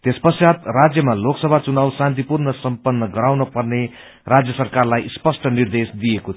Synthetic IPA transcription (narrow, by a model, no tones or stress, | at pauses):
t̪espʌsjat̪rad͡zjʌmaloksʌbʱat͡sunawsãnt̪ipurnʌsʌmpʌnːʌɡʌɾawnʌpʌrne | rad͡zjʌsʌrkarlajspʌsʈʌnird̪esd̪ijeko